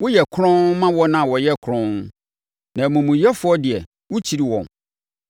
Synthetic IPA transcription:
wʊ˦jɛ˨kʰɾɔ̃˦nmã˦wɔ˦nã˦˨wɔ˨jɛ˦kʰɾɔ̃˦n | nã˨mũ˨mũ˨jɛ˦fʊ˨˦ɔ˦dɪ˨ɛ˨ | wʊ˦t͡ɕʰi˨ɾi˦wɔ̰̃˨n

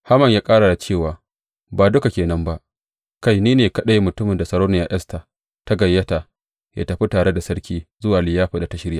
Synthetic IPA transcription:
ha˦mɐ˨ɲjaː˦kʼaː˦ɽa˨da˨t͡ʃeː˦˨waː˨ | baː˨dʊ˦ka˨kʲeː˨nɐ˦mba˦ʔ | ka˦˨jniː˦neː˨kɐ˦ɗa˦jmʊ˨tʊ˦mɪ˨nda˨sɐ˨ɽoː˦na˨ja̰ː˦ʔɐ˦sta˨ | ta˦ɡɐ˨jːɐ˦ta˨ | jʔa̰ː˦tɐ˨ɸi˦taː˨ɽe˦da˨sɐ˦ɽkʲiː˦zʊ˦waː˨lɪ˨jaː˦ɸa˨da˨ta˦ʃɪ˦ɾɪ˦jaː˨

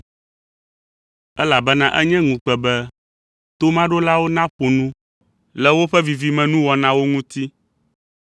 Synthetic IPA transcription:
ɛ˦la˨bɛ˦nã˦ʔɛ˦ɲɛ̃˦ŋũ˨k͡pɛ˨bɛ˦ | t̪o˦mã˦ɖo˦la˦wo˦nã˦ɸo˨nũ˦ | lɛ˦wo˦ɸɛ˦vi˨vi˦mɛ̃˨nũ˦wɔ˨nã˦wo˦ŋũ˦t̪i˦

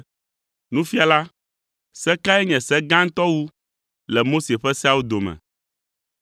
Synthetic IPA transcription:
nũ˦fi˦a˨la˦ | sɛ˦ka˦ɛ˦ɲɛ̃˨sɛ˦ɡã˦ŋ̩˦t̪ɔ˦wu˦ | lɛ˨mo˦se˨ɸɛ˦si˦a˦wu˦d̪o˨mɛ̰̃˨

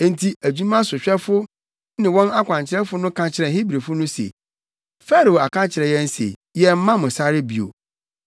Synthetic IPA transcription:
ẽ˨n˨tʰi˨æ˨d͡ʑu˦mã˦sʊ˨ɕᶣɛ˦fʊ˦ | nɪ̃˨wɔ̃˦na˦kʷʰã˨ɲt͡ɕʰɪ˦ɾɛ˦fʊ˦nʊ̃˦kʰã˦t͡ɕʰɪ˦ɾɛ̃˨ɦi˦bɾe˨fʊ˦nʊ̃˦sḛ˨ | fɛ˦ɾo˨o˨a˨kʰã˦t͡ɕʰɪ˨ɾɛ˨jɛ˦n̩˦sḛ˨jɛ˦m̩˦mã˦mʊ̃˨sa˦ɾɪ˦bi˨o̰˨

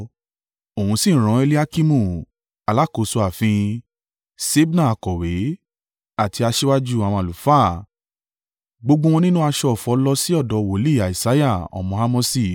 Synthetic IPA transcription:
o˨hũ˧sĩ˦˨ɾ̃ɔ̃˨˦e˧li˦a˧ki˧mũ˦˨ | a˨la˨˦ko˨so˧a˨fĩ˧ | se˦bnã˦˨a˨˧kɔ˨we˨˦ | a˦˨ti˧a˧ʃe˦wa˦d͡ʒu˦a˨wɔ̃˧a˨lu˨faː˦˨ | ɡ͡bo˧ɡ͡bõ˦w̃ɔ̃˧nĩ˦nũ˦a˧ʃɔ˧ɔ˨fɔ˧˦lɔ˧si˦ɔ˦˨dɔ˨wo˨˦li˦˨a˨i˨sa˨˦ja˦˨ɔ̰˨mɔ̃˧a˧mõ˧si˦˧˨

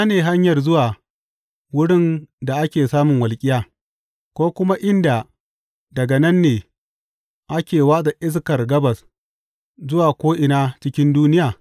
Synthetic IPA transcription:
naː˦neː˨ɦa˦ɲjɐ˨rzʊ˦waː˨ | wʊ˦ɽɪ˦nda˨ʔa˦kʲeː˨saː˦mʊ˨ŋwɐ˨lkʲʼɪ˦jaː˨ | kʷoː˦kʷʊ˦ma˦ʔɪ˦nda˨ | dɐ˨ɡɐ˨nɐ˦nːeː˨ | ʔa˦kʲeː˨waː˦da˨ʔɪ˦s̬kɐ˨rɡɐ˦bɐ˨s | zʊ˦waː˨kʷoː˦ʔɪ˨naː˦t͡ʃɪ˦kʲɪ˦nduː˦nɪ˦jaː˨

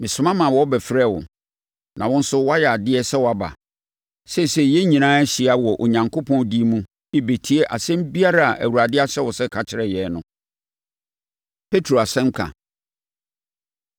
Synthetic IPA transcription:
mɪ̃˨sʊ̃˨mã˦mã˨wɔ˦bɛ˨fɾɛ˦˨wʊ̰˨ | nʔã̰˨wɔ̃˦n̩˦sʊ˦wɔ˦a˦jɛ˨a˨dɪ˦ɛ˦sɛ˦wɔ˨a˨ba̰˨ | sɛ˦˨sɛ˨jɛ˦ɲĩ˨nãː˦æ˦ɕi˨a˦wɔ˨ʔo˨ɲã˨ŋkʰo˦pʰɔ̃˦ndi˦mũ˦ | i˦be˨tʰi˦e˦ʔa˨sɛ̃˦m˦bi˦a˦ɾa˦˨ʔæ̰˨wu˨ɾa˨dɪ˦a˦ɕɛ˦wɔ˨sɛ˦kʰa˨t͡ɕʰɪ˨ɾɛ˦˨jɛ˨˦nʊ̃˦ | pʰe˦tʰɾo˨a˨sɛ̃˦ŋ̩˦kʰã̰˨

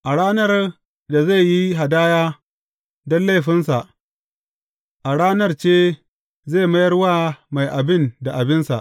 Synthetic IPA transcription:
ʔa˨ɽaː˦nɐ˦r | da˨ze˦˨ji˦ɦa˨daː˦jaː˦ | dɔ˦nla˦˨ɸɪ˦nsa˨ʔ | ʔa˨ɽaː˦nɐ˦rt͡ʃeː˦ | zeː˦˨mɐ˦jɐ˦rwaː˦ma˨jʔa˨bɪ˦˨nda˨ʔa˨bɪ˦nsa̰˨ʔ

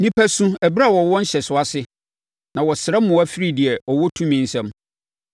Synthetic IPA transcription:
nĩ˦pʰæ˦sũ˦æ˨bɾa˦˨wɔ˨wɔ̃˦n̩˦ɕɛ˨sʊ˦a˦sɪ˦ | nã˨wɔ˨sɪ˨ɾɛ˦mʊ̃˨˦æ˦fi˦ɾi˦˨dɪ˨ɛ˨ʔɔ˨wɔ˦tʰũ˦mĩ˨n̩˦sɛ̃˦m

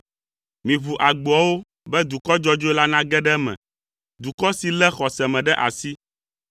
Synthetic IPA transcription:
mĩ˨vu˨ʔa˨ɡ͡bu˨ɔ˨wo˦ | bɛ˦d̪u˨kɔ˦d͡ʒɔ˦d͡ʒo˦e˦la˦nã˦ɡɛ˦ɖɛ˦mɛ̰̃˨ | d̪u˨kɔ˦si˨lɛ˦xɔ˨sɛ˨mɛ̃˨ɖɛ˦ʔa˨si˦

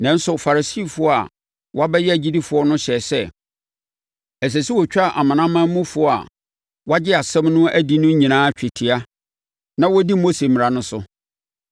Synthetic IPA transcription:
nɛ̃˨˦n̩˦sʊ˨fa˨ɾa˨si˦˨fʊ˦ɔ˦a̰˨ | wʔa˦bɛ˦jɛ˦æ˨d͡ʑi˦di˦fʊ˨˦ɔ˦nʊ̃˦ɕɛ˨sɛ˦ | æ˨s̬æ˨si˦wɔ˨t͡ɕᶣa˦˨ʔa˨mã˨nã˦mã˦mũ˦fʊ˨˦ɔ˦a̰˨ | wa˦d͡ʑɪ˦a˨sɛ̃˦mnʊ̃˦æ˦di˨nʊ̃˦ɲĩ˨nãː˦t͡ɕᶣɪ˨tʰi˨a˦ | nã˦wɔ˦di˦mo˦se˨mɪ˨ɾa˨nʊ̃˦sʊ˦

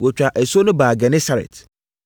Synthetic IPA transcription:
wɔ˨t͡ɕᶣa˨ʔɛ˨so˦nʊ̃˦baː˨ɡɛ˨nɛ̃˦sa˦ɾɛ̰˨t

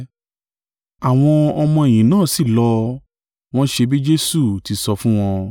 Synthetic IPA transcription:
a˨w̃ɔ̃˧ɔ˧mɔ̃˧e˨j̃ĩ˨nãː˦˨si˦˨lɔ˦ | w̃ɔ̃˦ʃe˧bi˦d͡ʒe˦su˦˨ti˨˧sɔ˧fũ˦w̃ɔ̃˧

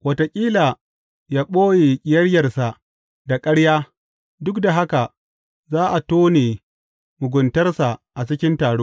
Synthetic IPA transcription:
wɐ˨ta˨kʲʼiː˦la˨ | jaː˦ɓoː˦jeː˨kʲʼɪ˨jɐ˦ɽjɐ˨rsa˨ | da˨kʼɐ˦ɽjaː˦ | dʊ˦kda˨ɦa˦ka˨ | zaː˦ʔa˨toː˦neː˨ | mʊ˨ɡʷʊ˨ntɐ˦rsa˨ʔa˨t͡ʃɪ˦kʲɪ˦ntaː˨ɽoː˦

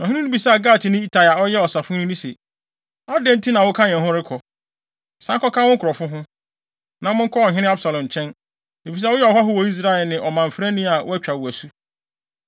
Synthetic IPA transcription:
ñ˨ɦɪ̃˦ɪ̃˦nʊ̃˦bi˨sa˦a˨ɡaː˦˨tʰɪ˨nɪ̃˦i˦tʰa˨la˨ɔ˦jɛ˦ɔ˨sa˨fʊ̃˦nʊ̃˦nĩ˦se˨ | ɔ˦dɛ̃˦n̩˦tʰi˦nã˨wʊ˦kʰã˦ɲ̃ɛ̃˨ɦʊ̃˦ɾɪ˦kʰɔ˨ | sã˦kɔ˦kʰã˦wʊ̃˦kʰɾɔ˨fʊ̃˦ɦʊ̃˦ | nã˨mʊ̃˦ŋ̩˦kʰɔ˦ɔ˨ɦɪ̃˦nɪ̃˦a˦bsa˨lɔ̃˨n˨t͡ɕʰɛ̃˦n | e˨fi˨s̬ɛ˦wʊ˦jɛ˦ɔ˨ha˦ɦʊ˦wɔ˨i˦s̬ɾa˦ɛ˨lnɪ̃˨ʔɔ˨mã˨m̩˨fɾæ˦nĩ˦a˨wʊ˦æ˦t͡ɕᶣa˨wu˨æ˨su˦

